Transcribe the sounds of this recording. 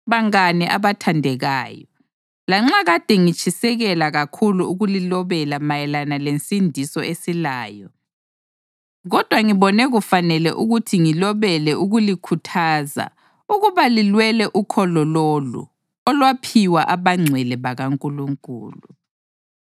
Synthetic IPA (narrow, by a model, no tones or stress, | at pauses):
βaŋanɛʔaβatʰandʱɛɣaːjɔ | laŋ͡ǁaɣad̥ʱɛŋit͡ʃʼisɛɣɛlaɣakʰuluuɣulilɔβɛlamajɛlanalensʼindʱisɔesilaːjɔ | ɣɔd̥ʱwaŋiβɔnɛɣufanɛlɛ̰ʔuɣutʰiŋilɔβɛlɛuɣulikʰutʰaːza̰ | uɣuβalilwɛlɛʔukʰɔlɔlolṵ | ɔlwapʰiwaʔaβaŋ͡ǀʱwɛlɛβaɣaŋkʼuluŋkʼṵːlu